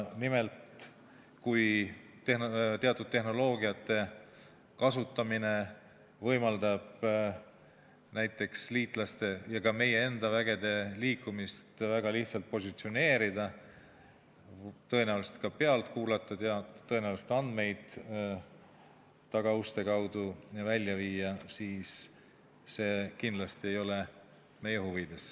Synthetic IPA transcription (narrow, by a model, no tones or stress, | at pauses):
nimelt̪ | kuj | t̪ehnot̪eɑt̪ːˑud̪̥̚t̪ːe̞hno̞lo̞ːɡiɑt̪ːe̞ | kɑsut̪ːˑɑmine̞ | vɤjmɑld̪ɑb̥ | næjt̪ːˑe̞ksliːt̪ˑlɑst̪e̞jɑkɑme̞je̞e̞nd̪̥ɑvæɡe̞d̪e̞liːkːˑumist̪væɡ̥ɑliht̪sɑlt̪̚po̞sʲit̪sio̞ne̞ːɾid̪ɑ | t̪ɤ̞e̞næuluse̥t̪̚kɑpe̞ɑlt̪kuːlɑt̪ːˑud̪̥jɑt̪ɤ̞e̞næwluset̪ɑnd̪me̞jd̪̥ | t̪ɑɡ̥ɑust̪e̞kɑwd̪̥ujɑvælʲːjɑviːɑsiːsː | e̞ːkind̪lɑst̪ie̞jo̞le | me̞je̞ɦuvid̪̥e̞s